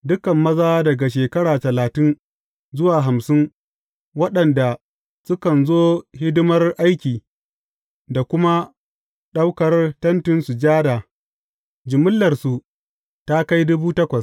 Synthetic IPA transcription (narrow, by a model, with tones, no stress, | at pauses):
dʊ˦kɐ˨mːɐ˦zaː˦dɐ˨ɡa˨ʃeː˨kɐ˦ɽaː˨tɐ˨laː˨tɪ˦n | zʊ˦waː˨ɦa˨msɪ˦ŋ | wɐ˦ɗɐ˨nda˨ | sʊ˦kɐ˨nzoː˦hɪ˦dɪ˦mɐ˦rʔa˦jkʲiː˨ | da˨kʷʊ˦ma˦ | ɗa˦wkɐ˨rtɐ˦ntɪ˦nsu˨d͡ʒaː˦daː˨ | d͡ʒɪ˨mʊ˦lːɐ˨rsu˨ | ta˦ka˦jdʊ˦buː˦tɐ˦kʷɐ˨s